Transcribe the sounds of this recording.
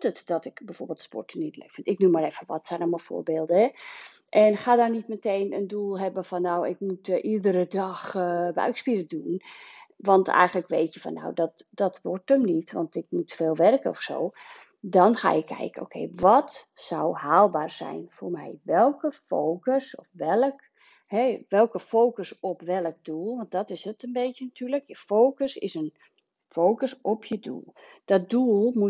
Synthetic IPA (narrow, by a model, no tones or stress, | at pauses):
tətdɔtɪkbɛjfoːrbelˠtspɔ̰rtənitlḛkfɪntɪk̚numaɾɛfəʋɔtsɛjnɔmɔfo̰ːrbeːlˠdəɛ | ʔɛnxadɔrnitmətʰejnəndulˠɦɛbəfɔnːowɪkmutʔidəɾədɔxbœ̰ɥkspiɾədunʋɔntʰɛ̰jɣənləkʋeːtjəfɔ̰nːa̰wdɔt | dɔtʋɔrtəmnitʋɔ̰ntɪk̚mutfeːlˠʋɛrkəɔfso̰ː | dɔnxa̰ːɪkʰːɛ̰jkən̩o̰ːkʰḛjʋɔtsawhaːlˠbaːrsɛ̰jnfoːrmɛ̰jʋɛlˠkəfoːkəsɔfʋɛlˠək | hɛʋɛlˠkəfoːkəsɔpʋɛlˠək̚duəlˠʋɔnt̚dɔtɪsətənbetjənatʰyːrləkjəfowkəsɪ̰sən | fowkəsɔpʰjədṵlˠd̥ɔt̚duəlˠmu